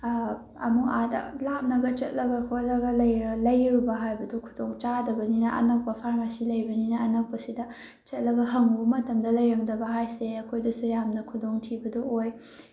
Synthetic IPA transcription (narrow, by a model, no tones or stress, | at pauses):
ɐ̰mukadɐ̰lap̚nɐɡɐt͡ʃɐt̚lɐɡɐkʰojlɐɡɐlɐjɾɐlɐjɾubɐɦajbɐdokʰudoŋt͡ʃadɐbɐninɐʔɐ̰nɐk̚pɐpʰaɾmasilɐjbɐninɐːnɐk̚pɐsidɐ | t͡ʃɐt̚lɐɡɐɦɐŋbɐmɐtɐmdɐlɐjɾɐŋdɐbɐɦajseɐkʰojdɐsujamnɐkʰudoŋtʰibɐdooj